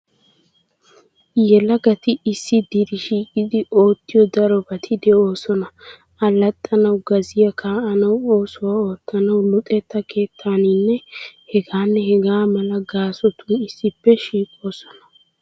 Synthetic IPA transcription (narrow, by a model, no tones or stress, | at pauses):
jɛlɐɡɐt̪ɪɪsːɪd̪ɪd̪ɪʃiːkʼɪd̪ɪʔo̞ːt̪ːɪjɔd̪ɐɾɔbɐt̪ʰɪd̪ɛʔo̞ːsɔnɐ | ɐlɐt̪ʼːɐnɐwɡɐzɪjɐkʰaːʔɐnɐwo̞ːsʊwɐo̞ːt̪ːɐnɐwlʊt̪ʼɛt̪ːɐkʰe̞ːt̪ʰːaːnɪnːɛhɛɡaːnːɛhɛɡaːmɐlɐɡaːsɔt̪ʰːʊnɪsːɪpːɛʃiːkʼo̞ːsɔnɐ̥